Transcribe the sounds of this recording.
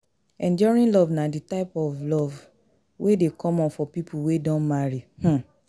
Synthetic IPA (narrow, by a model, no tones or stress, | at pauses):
ɛ̃nd͡ʒɔɹĩnlɔvnaditaɪpɔvlɔv | wedekʰɔ̃mɔ̃nfɔpipʰuwedɔ̃nmaɹih̩